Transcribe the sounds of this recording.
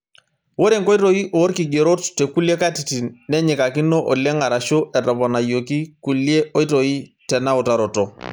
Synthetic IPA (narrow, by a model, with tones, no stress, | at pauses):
wo˦ɾe˦˨ŋkɔ˦i˦to˦i˦ʔoː˨˦ɾki˨ɡe˨ɾo˦ttːe˨ku˦le˦ka˦ti˨ti˨nɛ˦ɲɪ˨ka˨kɪ˦nːɔ˦ʔɔ˨lɛ˦ŋa˨ɾa˨ʃo˦ʔɛ˨ta˨bɔ˨na˨jo˨ki˦ku˨lje˦ʔo˦i˦to˨i˦tɛ˨na˦ɔ˨ta˨ɾɔ˨tɔ˨